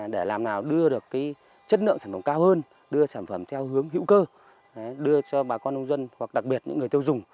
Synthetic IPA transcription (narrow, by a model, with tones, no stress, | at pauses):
ɗe˧˩laː˨˩mnaː˨˩wɗɨ˧əɗɨ˨˩əkːaː˨˦j | t͡ɕə˦˥t̚nɨ̰˧əŋsaː˧˩nfə˧˩ŋ͡mkaː˧whəː˧n | ɗɨ˧əsaː˧˩nfə˧˩mt̪ʰɛ˧whɨ˨˦əŋɦḭ˧˥wkəː˧˨˦ | ɗɨ˧ət͡ɕɔ˧ɓaː˨˩kɔ˧nʔə˧wŋ͡mzwə˧nhwa˨˩k̚ɗa˨˩k̚ɓi˨˩ət̚ɲɨ̰˧˥ŋː˨˩əjt̪i˧wzʊ˨˩ŋ͡m